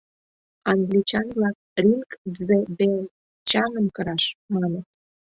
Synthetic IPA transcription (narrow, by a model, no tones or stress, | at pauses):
ɑŋɡlʲit͡ɕɑnβlɑk̚ | rʲinkzed̪e | t͡ɕɑnə̆mkəɾɑʃmɑnĕ